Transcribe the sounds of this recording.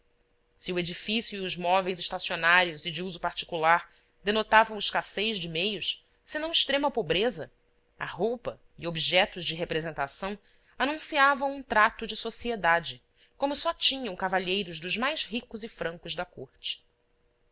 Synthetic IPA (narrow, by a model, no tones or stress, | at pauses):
siued͡ʒifisjuiʊʒmɔvejzɪʃt̪asionaɾjʊzid͡ʒɪuzʊpaɾt͡ʃi̥kulaɾ | d̪enot̪avɐ̃w̃ʊʃkasejʒd͡ʒɪmejʊs | sɪnɐ̃w̃ɪʃt̪ɾẽmɐpobɾezɐ | a̰ɦowpɐ | iobiʒɛt̪ʊzd͡ʒɪɦepɾezẽnt̪asɐ̃w̃ | anũsiavɐ̃w̃ũt̪ɾat̪ʊd͡ʒɪsosied̪ad͡ʒɪ | kõmʊsɔt͡ʃĩɲɐ̃w̃kavaʎejɾʊʒd̪ʊʒmajzɦikʊzɪfɾɐ̃ŋkʊʒd̪ɐkoɾt͡ʃɪ̥